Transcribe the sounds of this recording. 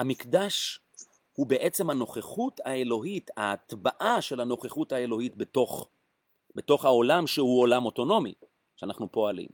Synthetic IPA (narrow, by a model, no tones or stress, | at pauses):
hamikdaʃ | hube̞ʔet͡se̞mhano̞χeχutae̞lo̞ɦitaːt̪baʔaʃe̞lhano̞χeχuthaelo̞hitbetoχ | be̞to̞χhao̞lamʃehuolamo̞to̞no̞mḭ | ʃeanaχnupo̞alḭm